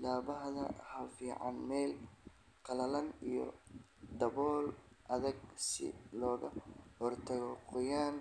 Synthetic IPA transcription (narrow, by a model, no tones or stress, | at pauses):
laːβɐɦðɐ̰hɐfiːʕɑ̰nmɛːl | kʰɐlɐlɐnijɔ̰d̪ɐβɔːlʔɐðɐɡsɪ̰lɔːɣɐhɔrt̪ʰɐɣɔqʊjaːn